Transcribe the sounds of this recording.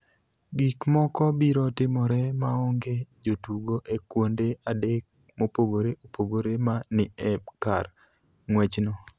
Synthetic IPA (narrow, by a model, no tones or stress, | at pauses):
ɡikmɔkɔbiɾɔtɪmɔɾɛmaɔŋɡed͡ʒotuɡoʔekwondeadek̚ | mopoɡoɾeʔopoɡoɾemanɪɛka̰r | ŋwɛt͡ʃnɔ